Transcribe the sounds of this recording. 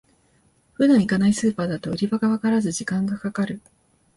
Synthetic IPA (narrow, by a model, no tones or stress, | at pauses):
ɸɯ̟d̪ãɰ̃ikanaisɨːpaːd̪at̪o̞ɯ̟ɾʲibaɡaβakaɾazɨʑikãŋɡakakaɾɯ̟